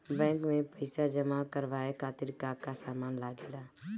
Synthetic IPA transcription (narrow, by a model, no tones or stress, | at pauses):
bɛ̃ːŋkmẽpəɪsaːd͡ʒəmaːkəɾʋaːekʰaːt̪ɪɾkaːkasaːmaːnlaːɡeːd̪aː